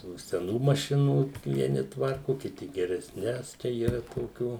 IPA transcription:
tuː sʲɛˈnuː mɐˈʃʲɪnuː ʋʲiɛˈnʲɪ ˈtʋɐrkʊ kʲɪˈtʲɪ ɡʲɛrʲɛsʲˈnʲɛs ˈt͡ʃʲɛ iːˈrɐ toːˈkʲuː

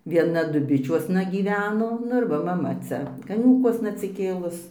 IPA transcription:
ʋʲiɛˈnɐ dʊˈbʲɪt͡ʃʲuɔsnɐ ɡʲiːˈʋʲæːnoː ˈnʊ ɪr ˈʋɐ mɐˈmɐ ˈt͡sʲɛ kɐˈnʲuːkuɔsnɐ ɐtʲsʲɪˈkʲeːlˠʊs

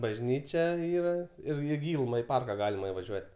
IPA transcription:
bɐʒʲˈnʲiːt͡ʃʲɛ ˈiːrɐ ˈɪr ɪ ˈɡʲiːlˠʊmɐ ɪ ˈpɐrkɐ ˈɡɑːlʲɪmɐ ɪʋɐˈʒʲuɔtʲ

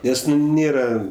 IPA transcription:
ˈnʲɛs nʊ ˈnʲeːrɐ

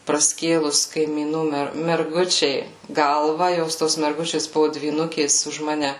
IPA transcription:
prɐˈsʲkʲeːlˠʊs kɐɪmʲiːˈnuː ˈmʲɛr mʲɛrˈɡʊt͡ʃʲɛɪ ˈɡɐlˠʋɐ ˈjoːs ˈtoːs mʲɛrˈɡʊt͡ʃʲeːs ˈbʊʋʊ dʲʋʲiːˈnʊkʲeːs ʊʃ ˈmɑːnʲɛ

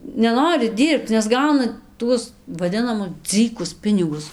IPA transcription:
nʲɛˈnoːrʲɪ ˈdʲiːrpt͡s nʲɛs ˈɡɐʊnɐ ˈtuɔs ʋɐˈdʲɪnɐmʊs ˈd͡zɨkʊs ˈpʲɪnʲɪɡʊs

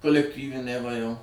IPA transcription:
koːlʲɛkˈtʲiːʋʲɪnʲɛɪ ʋɐ jɛʊ

